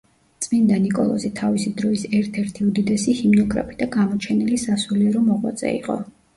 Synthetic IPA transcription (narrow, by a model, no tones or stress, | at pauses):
t̪sʼmind̪anikʼɔlˠɔ̰zit̪ʰavisid̪ɾɔisɛɾt̪ʰɛɾt̪ʰiud̪id̪ɛsihimnɔɡʼɾa̰pʼid̪aɡamɔt͡ʃʰɛnilisasuliɛɾɔmɔʁwa̰t̪sʼɛ̰ḭqʼɔ̰